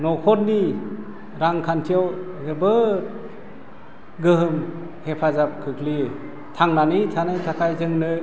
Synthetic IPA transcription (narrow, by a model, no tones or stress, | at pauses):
nɔkʰɔt̚ni | ɾaŋkʰantʰijaw | hɯbɯ | ɡɯɦɯm | hepʰazap̚kʰɯkʰli | tʰaŋnanɯtʰanɯjtʰakʰajzɯŋnɯ